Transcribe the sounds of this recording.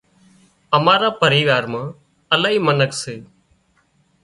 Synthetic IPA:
əmaːɾaːpəɾiːʋaːɾmãː | əlaːɦiːmənəkseː

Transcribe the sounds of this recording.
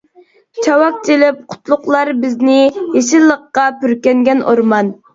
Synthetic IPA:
t͡ʃʰɑwɑk̚t͡ʃʰilɪp̚qʰʊ̥t̪lˠʊqlˠɑɾbɪznɪjeʃ̬ɪlˠːəqːɑpyɾkʲɛŋɡʲɛnoɾmɑn

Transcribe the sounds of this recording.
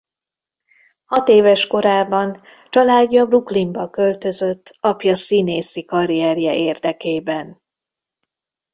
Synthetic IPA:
hɒt̪eːvɛʃko̞ɾaːbɒn | t͡ʃɒlaːɟːɒbruklimbɒkø̞lt̪ø̞zø̞t̪ːɒpjɒsineːsikɒɾiɛrjɛʔeːrd̪ɛkeːbɛn

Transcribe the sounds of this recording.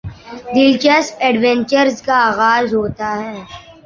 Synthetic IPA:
d̪ɪlt͡ʃəspɛːɖʋɛ̃ɲt͡ʃəɾzkaaːɣaːzɦoːt̪aɦɛː

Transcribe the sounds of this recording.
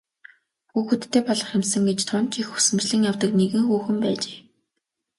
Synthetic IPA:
xuːxŭt̪ʰːeːpɔɮɞ̆χɪmsə̆ŋɡet͡ɕt̪ʰʊnt͡ɕixu̥sɘ̆mt͡ɕɮɘ̆ŋjawt̪ə̆kneɣɘ̆ŋxuːxɘ̆mpæːt͡ɕe̥ː

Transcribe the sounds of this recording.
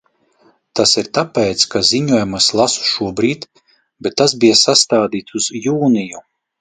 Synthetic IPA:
t̪asiɾt̪apɛt̪skaziɲuɔjumaslˠasu̥ʃuɔbɾiːt̪ | bet̪ːasbijasast̪aːd̪iːt̪suzjuːniju

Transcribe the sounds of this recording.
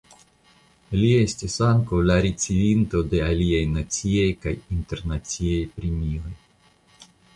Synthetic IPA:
lie̞stisaŋkawlaɾit͡sivinto̞de̞aliajnat͡siejka̰jinte̞ɾnat͡siajpɾemio̞j

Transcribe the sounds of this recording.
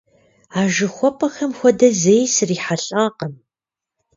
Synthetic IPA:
aːʒɨxʷɔpʰʼɐxɐmxʷɔdɐzejsɨriːħaɬʼaːqəm

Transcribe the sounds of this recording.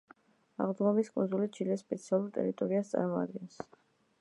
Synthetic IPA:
a̰ʁlˠd̪ɡɔmiskʼunzulit͡ʃʰilɛsːpʼɛt̪sʰialˠuɾt̪ʼɛ̰ɾit̪ʼɔɾiast̪sʼa̰ɾmɔa̰d̪ɡɛns

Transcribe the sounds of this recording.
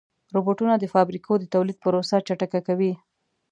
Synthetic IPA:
ɾoboʈunad̪əfɑbɾikʰod̪ət̪awlid̪̚pəɾosat͡ʃaʈakakawi

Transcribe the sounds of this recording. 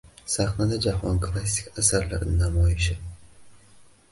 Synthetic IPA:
saχnad̪ad͡ʒahɒnkʰlˠas̬ʲɪkʲʰasaɾla̰ɾɪnɪnamɒjɪʃɪ

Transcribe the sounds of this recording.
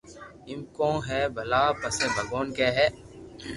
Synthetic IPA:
ɪmkõːɦɛːbʱɐlaːpəseːbʱəɡoːnkɛːɦɛː

